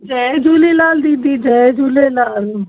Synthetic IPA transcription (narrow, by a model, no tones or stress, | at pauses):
d͡ʒɛːed͡ʒuːlenaːld̪id̪iːd͡ʒɛd͡ʒuːleːlaːl